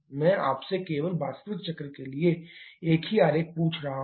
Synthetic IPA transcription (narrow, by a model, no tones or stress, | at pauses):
mɛ̃ːʔa̰ːpsekeːʋəlbaːst̪əʋɪt̪̚t͡ʃɐkɾəkelieeːkɦiaːɾeːk̚puːt͡ʃʰɾɐɦa